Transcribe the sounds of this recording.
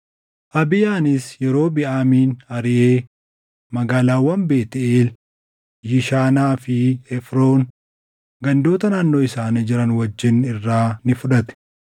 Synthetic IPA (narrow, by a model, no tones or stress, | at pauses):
ʔɐbɪjaːnɪsjɛɾo̞ːbɪʔaːmiːnɐɾɪʔeː | mɐɡaːlaːwːɐmbe̞ːt̪ɪeːl | jɪʃaːnaːfɪɛfɾo̞ːn | ɡɐnd̪oːt̪ɐnaːnːoːɪsaːnɪd͡ʒɪɾɐnwɐd͡ʒːɪnɪrːaːnɪfʊᶑɐt̪ɛ̥